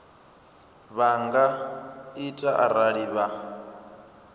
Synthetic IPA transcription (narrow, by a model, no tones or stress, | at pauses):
βaŋɡaitʼaʔa̰ɾaɺiβa